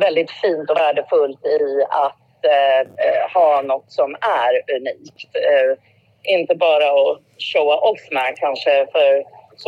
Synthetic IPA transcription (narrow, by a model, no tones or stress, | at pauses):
vɛld̪ɪt̪fiːnt̪ɔvæːɖəfɵlt̪ɪat̪ | hɑːnɔt̪ːsɔmæɾʉniːkt̪ | ʔɪnt̪əbɑːɾaɔ | ɕowaʔɔlsmækʰanʂəfœɾs